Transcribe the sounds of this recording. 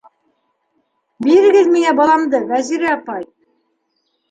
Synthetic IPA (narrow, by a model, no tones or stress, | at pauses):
biɾɘ̆ɡɘðmiŋæbɑlˠɑmd̪ɤvæziɾɘɑpɑj